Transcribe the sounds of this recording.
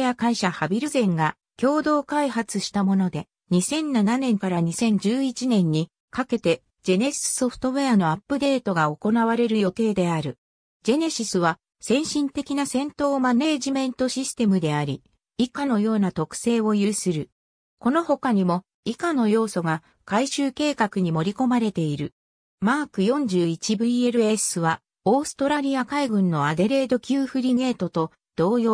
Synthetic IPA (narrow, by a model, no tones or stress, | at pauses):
ejakaiɕahabʲiɾɯzẽ̞ŋɡa | kʲo̞ːd̪o̞ːkaiɦat͡sɨɕi̥t̪amo̞no̞d̪e̞ | ɲ̟isẽ̞nːananẽ̞ŋkaɾaɲ̟isẽ̞ɲ̟d͡ʑɨːit͡ɕinẽ̞ɲ̟ːi | kake̞t̪e̞ | d͡ʑe̞ne̞sɨ̥so̞ɸɯ̥t̪o̞βeano̞apːɯ̟d̪e̞ːt̪o̞ɡao̞ko̞naβaɾe̞ɾɯ̟jo̞t̪e̞ːd̪e̞aɾɯ̟ | d͡ʑe̞ne̞ɕisɨβa | sẽ̞ɰ̃ɕĩnt̪e̞kʲinasẽ̞nt̪o̞ːmane̞ːʑimẽ̞nt̪o̞ɕisɨ̥t̪e̞mɯ̟d̪e̞aɾʲi | ikano̞jo̞ːnat̪o̞kɯ̥se̞ːo̞jɯːsɨɾɯ̟ | ko̞noho̞kaɲ̟imo̞ | ikano̞jo̞ːso̞ɡa | kaiɕɨːke̞ːkakɯɲ̟imo̞ɾʲiko̞maɾe̞t̪e̞iɾɯ̟ | maːkɯ̟jõ̞ɲ̟d͡ʑɨːit͡ɕibɯ̟ie̞ɾɯ̟e̞sɨβa | o̞ːsɨ̥t̪o̞ɾaɾʲiakaiɡɯ̟̃nːo̞ad̪e̞ɾe̞ːd̪o̞kʲɨːɸɯ̟ɾʲine̞ːt̪o̞t̪o̞ | d̪̥o̞ːjo